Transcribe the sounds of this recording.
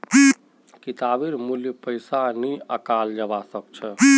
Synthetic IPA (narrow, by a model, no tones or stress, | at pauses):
kit̪abiɾmuljpəjsaniəkald͡ʒəbasək̚t͡ʃʰɛ